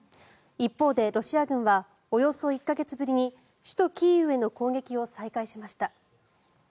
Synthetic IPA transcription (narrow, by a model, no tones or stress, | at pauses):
ipːo̞ːd̪e̞ɾo̞ɕiaɡɯ̟̃ɰ̃βa | o̞jo̞so̞ikːaɡe̞t͡sɨbɯɾʲiɲ̟i | ɕɨ̥t̪o̞kʲiːɯ̟e̞no̞ko̞ːɡe̞kʲio̞saikaiɕimaɕi̥t̪a